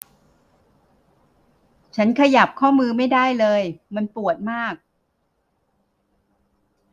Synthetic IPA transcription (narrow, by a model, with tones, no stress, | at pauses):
t͡ɕʰa˦˥nkʰa˧ja˨˩p̚kʰɔː˥˩mɯː˧ma˥˩jdaː˥˩jlɤː˧jma˧npu˨˩ət̪̚maː˥˩k̚